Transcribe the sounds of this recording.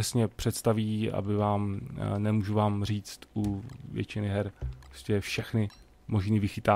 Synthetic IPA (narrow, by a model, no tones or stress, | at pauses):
ɛsɲɛpr̥ɛt̪st̪aviːa̰bɪvaːmnɛmuːʒuvaːmr̝iːt͡st̪uvjɛ̰t͡ʃɪnɪɦɛɾoscɛfʃɛxnɪ | mo̞ʒniːvɪxɪt̪aː